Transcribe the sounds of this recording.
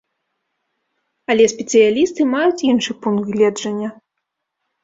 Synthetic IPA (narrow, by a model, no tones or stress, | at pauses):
ɐlʲɛsʲpʲɛt̪sɨjalʲist̪ɨmajut͡sʲinʂɨpunɣlʲɛd͡ʐɐnʲːɐ